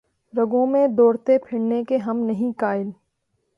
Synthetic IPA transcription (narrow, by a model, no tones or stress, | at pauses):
ɾɐɡõmẽd̪ɔːɾt̪epʰɪɽnekeɦɐmnɐɦĩkaːɪl